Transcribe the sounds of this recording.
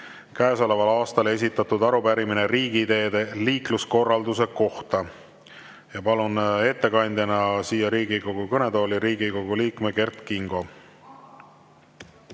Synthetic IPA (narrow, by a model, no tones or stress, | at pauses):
kæeso̞levɑlɑːst̪ɑle̞s̬ʲit̪ːˑɑt̪ud̪ɑɾubæɾimineɾiːɡ̥id̪e̞ːd̪̥e̞liːklusko̞rːɑld̪use̞ko̞ht̪ɑ | jɑpɑlune̞t̪ːe̞kɑnʲd̪̥ʲjɑnɑsiːjɑɾiːɡiko̞ɡukɤne̞d̪o̞ːliɾiːɡiko̞ɡuliːkmeke̞rt̪kiŋɡo̞